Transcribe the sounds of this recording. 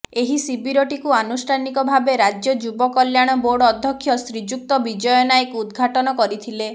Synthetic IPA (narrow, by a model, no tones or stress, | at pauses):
eɦisibiɾɔʈikuanusʈʰanikɔbʱabeɾad͡ʒjɔd͡ʒubɔkɔljaɽ̃ɔboɽɔːd̪ʱjɔkʰːjɔsɾid͡ʒuk̚t̪ɔbid͡ʒɔjɔnajkud̪ɡʱaʈɔnɔkɔɾit̪ʰile